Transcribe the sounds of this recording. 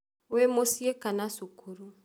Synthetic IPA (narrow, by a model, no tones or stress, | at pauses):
wemosiekanasukuɾu